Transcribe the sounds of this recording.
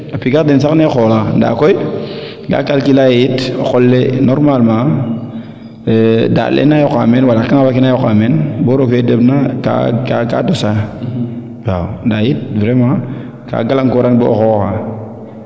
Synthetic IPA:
apiɡakdens̬aknexolanda̰ːkoj | ɡa̰kalkilajitoxolːenoɾmalmã | da̰lʔḛnajoka̰menwalakaŋawakinajokamenboɾokedəbnaka̰aka̰dosa | wawndajit̚vɾemã | ka̰ɡalaŋkoɾaŋbo̰xoka̰

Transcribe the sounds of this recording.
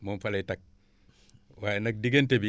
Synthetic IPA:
monfalejtak̚ | wajnɐk̚diɡentebi

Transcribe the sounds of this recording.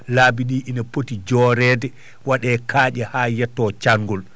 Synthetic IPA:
laːbiɗiːʔinapotid͡ʒɔːɾɛːdɛ | waɗɛːkʰaːd͡ʒɛhaːjɛtːɔt͡ʃaŋɡɔl

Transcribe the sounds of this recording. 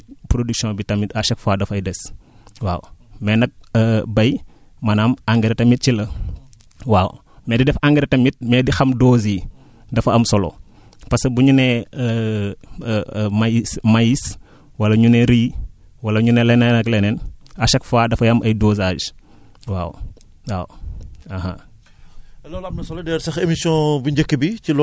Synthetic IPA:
pɾodyksjɔ̃bitɐmitɐʃɐkfaːdɐfɐjdɛs | wa̰ːwmɛnɐk̚ːbɐj | mɐnɐmaŋɡeɾɛtɐmit̚t͡ʃilɐ | waw | mɛːdidɛfaŋɡɛɾɛtɐmit̚mɛːdixɐmdoːzi | dɐfɐɐmsɔlɔ̰ | pɐsɐbuɲunɛ | msmajis | wɐlɐɲunɛɾiː | wɐlɐɲunɛlɛnɐnɐklɛnɛnɐʃɐkfaːdɐfɐjɐmʔɐjdɔːzaːd͡ʒ | wa̰ːw | waːwɐhɐ | lɔːlɐpnɐsɔlɐdɛɾsɐxemisiɔ̃buɲɟəkːibicilɔ

